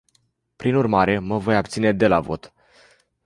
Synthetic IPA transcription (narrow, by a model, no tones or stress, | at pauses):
pɾinurmaɾe̞məvo̞jap̚t̪sine̞d̪e̞lavo̞̰t̪